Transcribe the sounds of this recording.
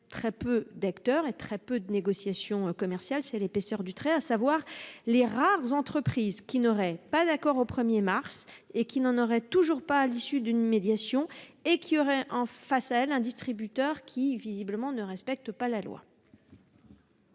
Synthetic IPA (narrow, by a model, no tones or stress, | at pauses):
t̪χɛpød̪akt̪œʁet̪χɛpød̪əneɡɔsjasjɔ̃kɔmɛʁsjalsɛlepesœʁd̪yt̪χɛasavwaʁleʁaʁzɑ̃t̪χəpχizkʲinɔʁɛpad̪akɔʁopχəmjemaʁsekʲinɑ̃nɔʁɛt̪uʒuʁpaːlisyd̪ynmed̪jasjɔ̃ekʲʰiɔʁɛʔɑ̃fasaɛlɛ̃d̪ist̪χibyt̪œʁkʲʰivizibləmɑ̃nəʁɛspɛk̚t̪palalwa̰